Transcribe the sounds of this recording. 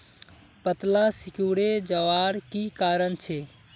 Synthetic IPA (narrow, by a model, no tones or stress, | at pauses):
pət̪lasikuɽed͡ʒəʋaɾkikaɾənt͡ʃʰe